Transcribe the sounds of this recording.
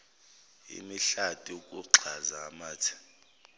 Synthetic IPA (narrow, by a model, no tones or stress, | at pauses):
ḭmiɬatʼiukʼuǁʱazaːmaːtʰi̥